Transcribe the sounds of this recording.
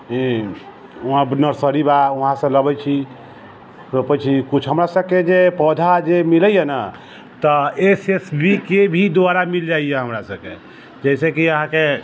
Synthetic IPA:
ɦĩ | uɦãbnəɾsəɾibauɦãsə̃ləbɛjt͡ʃʰi | ɾopɛt͡ʃʰikut͡ʃʰɦəmɾasəb̚ked͡ʒepɔd̪ʱad͡ʒemiləjenə | t̪əesesbikebʱid̪aɾamild͡ʒaijeɦəmɾasəb̚kḛ | d͡ʒɛɪsekiəɦãke

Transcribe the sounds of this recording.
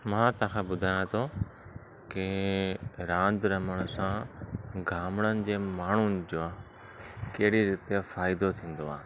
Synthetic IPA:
mãːt̪oãkʰãːbʊd̪ʱaːjãt̪ʰo | kɪ | ɾãːnd̪ɾɐməɽ̃sãɡʱaːmɽənɪ̆d͡ʑeːmaːɳ̤ʊnɪ̆d͡ʑoː | keɦɪɽiɾɪt̪jafaːɪd̪ot̪ʰĩːn̆d̪oaː

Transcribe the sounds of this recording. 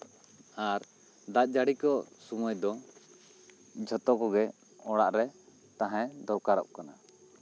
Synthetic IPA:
aɾ | d̪at̪̚ˀd͡ʒaɽikɔsumɔjd̪ɔ | d͡ʒʱɔt̪ɔkɔɡɛ | ɔɽaʔɾɛ | t̪aɦɛ̃d̪ɔwkaɾɔ̰ʔ̚kana

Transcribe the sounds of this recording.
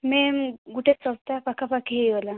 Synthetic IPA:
meɡuʈʰet͡sɔlt̪apakʰapakʰijola

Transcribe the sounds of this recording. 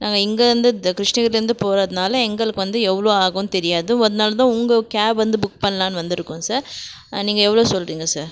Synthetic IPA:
naːŋɡɐɪŋɡɐɾɐnd̪ɯkɾɪʂnɐɣɐɾlɾɯnd̪ɯpoːɾɐðɯnaːlɐɛŋɡɐɭɯkːɯʋɐnd̪ɯɛʋːɐɭoːaːɣɐnt̪ɛɾɪjaːðɯ̃ɔðɐnaːlɐt̪ãːʊŋɡɐkaːbʋɐnd̪ɯbʊk̚pɐnːɐlãːnɯʋɐnd̪ɪɾɯkːʊ̃saːɾ | niːŋɡɐɛʋːɐɭoːsɔlriːŋɡɐsaːɾ

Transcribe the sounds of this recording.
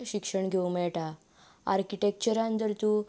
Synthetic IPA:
ɕikʂəɳɡʱeumɛɭʈa | aɾkiʈek̚t͡ɕəɾãnt̪əɾt̪uː

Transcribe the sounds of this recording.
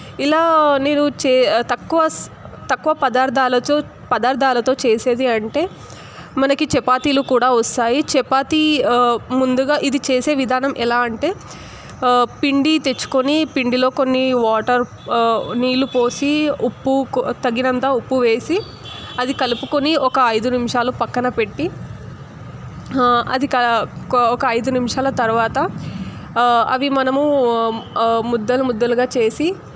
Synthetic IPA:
ilaːne̞ːnut͡ʃeːt̪ɐkːuʋɐt̪ɐkːuʋɐpɐd̪aːɾd̪ʱaːlɐt̪oː | pɐd̪aːɾd̪ʱaːlɐt̪o̞ːt͡ʃeːse̞ːd̪iɐɳʈe̞ː | mɐnɐkit͡ʃɛpaːt̪iːlukuːɽaːʋɔst̪aːjit͡ʃɛpaːt̪i | mund̪uɡaːʔid̪it͡ʃeːse̞ːʋid̪ʱaːnɐmɛlaːɐɳʈe̞ː | piɳɖit̪e̞t͡ʃːu̥konipiɳɖilo̞ːko̞nːiʋaːʈɐɾ | niːlupo̞ːsiupːukt̪ɐɡːinɐnt̪aːupːuʋe̞ːsi | ɐd̪ikɐlupukoniɔkɐɐjd̪unimʂaːlupɐkːɐnɐpe̞ʈːi | ɐ̰d̪ikɐɔkɐːjd̪unimʂaːlɐt̪ɐɾuʋaːt̪ɐ | ɐ̰ʋimɐnɐmu | mud̪ːɐlumud̪ːɐluɡaːt͡ʃe̞ːsi

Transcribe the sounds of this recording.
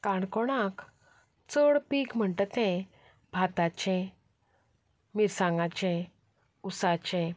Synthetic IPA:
kaɳkɔɽ̃ãk | t͡səɽpikm̤əɳʈət̪ɛ̃ | bʱat̪at͡ɕɛ̃ | miɾsãŋɡat͡ɕɛ̃ | usat͡ɕɛ̃

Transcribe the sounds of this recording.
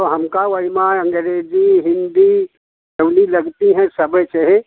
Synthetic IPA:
t̪ɔɦəmkawəɦimaəŋɡəɾed͡ʒiɦind̪i | əʊliləɡt̪iɦɛ̃səbət͡ʃəɦi

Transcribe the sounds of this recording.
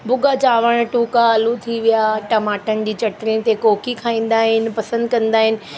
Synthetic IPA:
bʊɡat͡ɕaːʋəɽ̃ʈuːkaɐlut̪ʰiʋijaʈɐmaːʈənɪd͡ʑiːt͡ɕɐʈɾit̪ekoːkikʰaːĩːn̆d̪aːɦɪnɪ̆pɐsə̃nd̪kɐ̃nd̪aːɦɪnɪ̆

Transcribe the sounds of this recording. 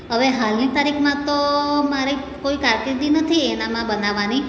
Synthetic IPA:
ɦəʋeɦalnit̪aɾikʰmãt̪omaɾi | koikaɾk̪iɾd̪inət̪ʰienamãbənaʋːani

